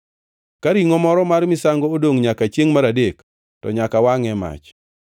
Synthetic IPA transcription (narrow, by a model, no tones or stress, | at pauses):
kaɾiŋɔmɔɾɔmarmɪsaŋɡoodoŋɲakat͡ʃjeŋmaɾadek | tɔ̰ɲakawaŋɛma̰t͡ʃ